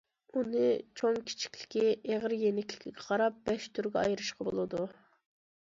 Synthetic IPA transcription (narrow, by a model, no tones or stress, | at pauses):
unɨt͡ʃʰoŋkʲʰi̥t͡ʃʰi̥kʲlɪ̥kʲiʔeʁəɾjenɪkʲlɪ̥kʲʰiɡʲɛqʰɑɾɑp̚b̥ɛʃt̪ʰyɾɡʲɛɑjɾɨʃqɑbo̰lˠɨd̪u